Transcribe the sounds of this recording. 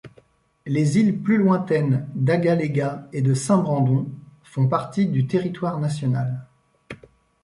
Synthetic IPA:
lezilplylwɛ̃t̪ɛnd̪aɡaleɡaed̪əsɛ̃bʁɑ̃d̪ɔ̃fɔ̃paʁt̪id̪yt̪eʁit̪waʁnasjɔnal

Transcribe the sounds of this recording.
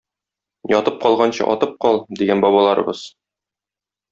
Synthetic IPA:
jɒt̪ɤp̚qɒlˠʁɑnɕɤ̰ʔɒ̰t̪ɤp̚qɒlˠd̪iɡænbɒβɑlˠɑɾɤ̰̆bɤz̥

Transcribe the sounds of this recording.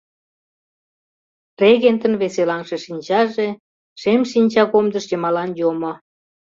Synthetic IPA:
reɣent̪ə̆nβeselɑnʃeʃinʲt͡ɕɑʒe | ʃemʃinʲt͡ɕɑkomd̪əʃjəmɑlɑnjomo

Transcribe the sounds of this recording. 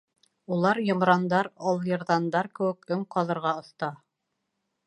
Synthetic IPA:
ulˠɑɾjŏmɾɑnd̪ɑɾɑlˠjɤ̆ɾðɑnd̪ɑɾkɘ̆wɘkɵŋqɑðˠɤ̆ɾʁɑŏθt̪ɑ

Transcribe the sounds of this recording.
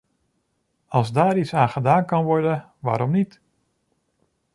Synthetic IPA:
ɑlˠzdaːɹitsaːnχədaːnkɑnʋɔɹdən | ʋa̰ːɾɔmnit

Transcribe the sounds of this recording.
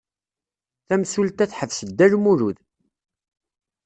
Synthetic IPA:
θæmsult̪æθħəvsəd̪ːælmuɾuð

